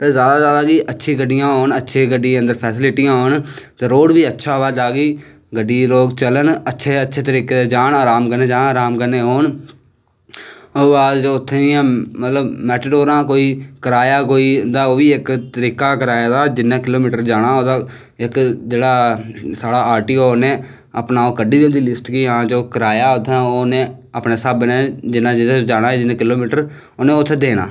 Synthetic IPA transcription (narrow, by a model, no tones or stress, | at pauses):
t̪eːzjaːd̪aːzjaːd̪aːɡiːʔətːʃʰĩːɡəɖːɪjãːɦoːɳətːʃʰeːɡəɖːiə̃nd̪əɾpʰɛːsɪlɪʈɪjãːɦoːɳt̪eːɾoːɽbiːətːʃʰaːʋaːd͡ʒaːɡiː | ɡəɖːiːloːɡt͡ʃələnətːʃʰeːətːʃʰeːt̪əɾiːkeːd̪aːd͡ʒaːnaːɾaːmkəɾneːd͡ʒaːnaːɾaːmkəɾneːɦoːɳ | oːaːd͡ʒoːʊt̪ʰːeãːmət̪ləbmɛːʈəɖoːɾãːkoːiːkəɾaːjaːk̬oːiːd̪aːoːʋiːɪkt̪əɾiːkaːkəɾaːjaːd̪aːd͡ʒɪnãːkɪloːmiːʈəɾd͡ʒaːɽ̃aːoːd̪aː | ɪkd͡ʒeːɽaːsaːɽaːaːɾʈiːoːnẽː | əpnaːoːkəɖiːd̪ʊnd̪iːlɪsʈkiːɦãːd͡ʒoːkəɾaːjaːʊt̪ʰːãːoːnẽːapneːsaːbneːd͡ʒɪnãːd͡ʒ̪d͡ʒaːɽ̃aːd͡ʒɪnːẽːkɪloːmiːʈəɾ | oːnẽːʊt̪ʰːeːd̪eːna̰ː